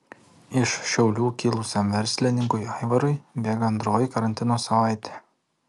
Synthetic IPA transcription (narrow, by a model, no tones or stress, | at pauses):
ɪʃʃʲɛʊlʲuːkʲilˠʊsʲɛmʋʲɛɾʲsʲlʲɪnʲɪŋkʊɪɑɪʋɐɾʊɪbʲeːɡɐɐnd̪ɾoːjɪkɐɾɐnʲt̪ʲɪnoːsɐʋɑˑɪt̪ʲe̥ː